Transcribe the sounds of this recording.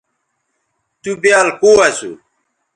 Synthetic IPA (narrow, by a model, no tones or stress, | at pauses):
t̪ubjalkuasṵ